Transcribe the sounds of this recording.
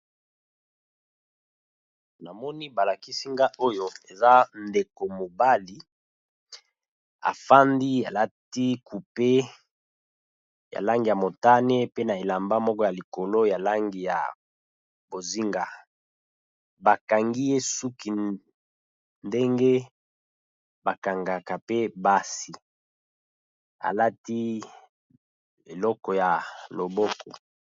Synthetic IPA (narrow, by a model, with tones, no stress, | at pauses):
na˨mɔ˦ni˦ba˨la˨ki˦si˦ŋɡa˦o˦jo˦e˨za˦nde˨ko˨mo˨ba˦li˦ | a̰˨fa˦ndi˦a˨la˦ti˦ku˨pe˦ | ja̰˨la˦ŋɡi˨ja˨mo˨ta˦ne˦pe˦na˨e˨la˨mba˦mɔ˦kɔ˦ja˨li˨ko˨lo˦ja˨la˦ŋɡi˨ja̰˨ | bo˨zi˦ŋɡa˨ | ba˨ka˨ŋɡi˦je˦su˦ki˨ | nde˦ŋɡe˦ | ba˨ka˨ŋɡa˨ka˨pe˦ba˦si˨ | a̰˨la˦ti˦ | ḛ˨lɔ˦kɔ˨ja˨lo˨bɔ˦kɔ˨